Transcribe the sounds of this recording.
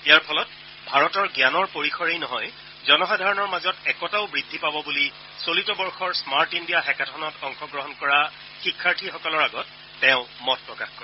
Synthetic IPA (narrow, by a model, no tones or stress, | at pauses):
ijaɹpʰɔlɔt̚ | bʱaɹɔtɔɹɡjanɔɹpoɹixʰɔɹejnɔɦɔj | zɔnɔxadʱaɹɔnɔɹmazɔtɛkɔtaʊbɹidʱːipabɔbuli | solitɔbɔɹxɔɹsmaɹtindijaxɛkatʰɔnɔtɔŋxɔɡɹɔɦɔnkɔɹa | xikʰːaɹtʰixɔkɔlɔɹaɡɔtː | ɛʊ̃mɔt̚pɹɔkaxkɔɹɛ